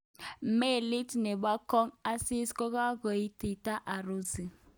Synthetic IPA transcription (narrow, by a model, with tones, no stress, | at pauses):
m̩˨˦me˦˨li˦tne˨ba˦kɔ˦ŋa˦si˦sko˦ka˦ko˨i˦ti˨ta˦ʔa˨ɾo˦zi˨